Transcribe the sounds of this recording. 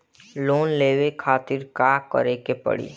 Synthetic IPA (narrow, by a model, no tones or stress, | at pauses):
loːnleːʋekʰaːt̪ɪɾkaːkə̰ɾekepə̰ɽḭː